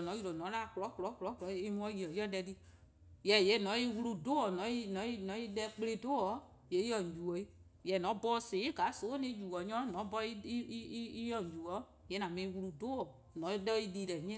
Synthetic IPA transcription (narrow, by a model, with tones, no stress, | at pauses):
nɔ̃˨˦ju˦lo˨nɔ̃˨˦la˦˨klɔ˨˦klɔ˨˦klɔ˨˦klɔ˨˦i˦mũ˧˦ɔ̃˦ji˨ɔ˨ji˦ɔ˦dɛ˧di˦ | jɛ˨je˨˦nɔ̃˨˦i˦˧wu˧lu˧do˦ɔ˨nɔ̃˨˦i˦˧nɔ̃˨˦i˧nɔ̃˨˦i˧dɛ˧k͡ple˧do˦ɔ˨˦ | je˨˦i˦ɔ˨ɲ˨d͡ʒu˨ɔ˨˦i˦ | jɛ˨nɔ̃˨˦bɔ˦se˨˦i˦˨ɡa˨˦so˨˦nĩ˧˦d͡ʒu˨ɔ˨ɲɔ̃˦nɔ̃˨˦bɔ˧i˦i˦jɔ˦˨ɲ˨d͡ʒu˨ɔ˨˦ | je˨˦nã˨mẽ˧˦i˧wu˧lu˧do˦ɔ˨ | nɔ̃˨˦dɛ˦i˧di˧lɛ˨ɲɛ̃˦